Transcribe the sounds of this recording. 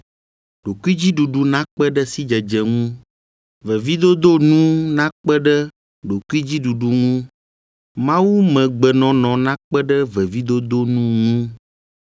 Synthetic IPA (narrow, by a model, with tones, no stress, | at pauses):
ɖ̥o˨ku˦i˦d͡ʑi˦ɖu˨ɖu˨nã˦k͡pɛ˦ɖə˦si˦d͡ʒɛ˨d͡ʒɛ˨ŋũ˦ | vɛ˨vi˦d̪o˦d̪o˦nũ˦nã˦k͡pɛ˦ɖə˦ | ɖo˨ku˦i˦d͡ʑi˦ɖu˨ɖu˨ŋũ˦ | mã˦wu˦mɛ̃˨ɡ͡bɛ˨nɔ̃˨nɔ̃˨nã˦k͡pɛ˦ɖə˦vɛ˨vi˦d̪o˦d̪o˦nũ˦ŋũ˦